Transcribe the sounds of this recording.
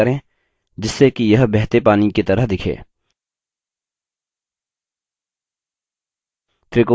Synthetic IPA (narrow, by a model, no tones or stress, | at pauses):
ɐɾẽ | d͡ʒɪsːekijɐɦbɛɦt̪epaːniket̪ɐɾəɦd̪ɪkʰḛː | t̪ɾɪko